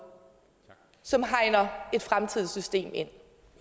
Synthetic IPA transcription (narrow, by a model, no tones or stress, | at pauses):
sɒ̽mɦɑ̈ɪ̰nɐe̝d̥fʁamt͡sʰið̞̰ˠsysd̥e̝̰ːme̝n̰